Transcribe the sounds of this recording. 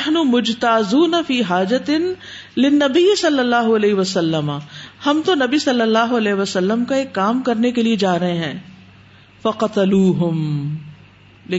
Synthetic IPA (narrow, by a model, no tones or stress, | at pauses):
ħnʊmʊd͡ʒt̪aːzuːnɐfiːɦaːd͡ʒɐt̪ɪn | lɪnːɐbijsɐlːɐlːaːɦoɐlɛːɦɪʋɐsɐlːɐmahɐmt̪onɐbisɐlːəlːaːɦoɐlɛːɦʋɐsɐlːəmkaeːkːaːmkɐɾnekelied͡ʒaːɾɐɦẽɦɛ̃ː | fɐqɐt̪ɐluːɦʊm | le